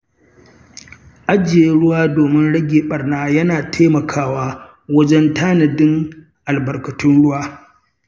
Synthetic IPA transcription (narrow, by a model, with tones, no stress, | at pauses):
ʔa˦d͡ʒɪ˨e˦ɽʊ˦waː˦doː˨mɪ˦nɽɐ˦ɡʲeː˨ɓɐ˨rnaː˦jɐ˦naː˨tʰeː˦mɐ˨kʰaː˦waː˦ | wɐ˦d͡ʒɛ˦ntaː˦nɐ˨dɪ˦ŋ | ʔa˨lbɐ˨rkɐ˨tʰʊ˦nɽʊ˦waː˦